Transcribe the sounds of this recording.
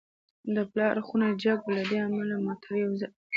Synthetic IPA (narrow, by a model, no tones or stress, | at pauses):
d̪əplɑɾxunajd͡ʒaɡolad̪eamalamɑt̪ʰaɾjawza